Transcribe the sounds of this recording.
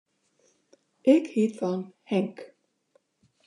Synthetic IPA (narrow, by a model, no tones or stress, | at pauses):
ɪkhiːt̪anhɛŋk